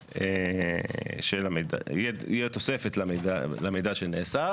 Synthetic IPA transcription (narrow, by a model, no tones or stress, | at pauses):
e | ʃelameda̰jɛḭjɛt̪osefet̪lamedalamejd̪aʃeneːsa